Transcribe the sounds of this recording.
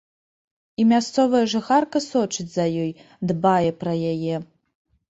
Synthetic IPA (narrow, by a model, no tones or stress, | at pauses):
imʲast̪sɔvɐjɐʐɨxarkɐsɔt͡ʂɨd͡zʲzɐjɔj | d̪bajɛpɾɐjajɛ